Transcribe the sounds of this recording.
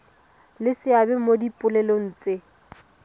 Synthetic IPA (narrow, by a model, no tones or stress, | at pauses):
lɪsɪabɛmodipʼʊlɛlon̩ːt͡sʼɪ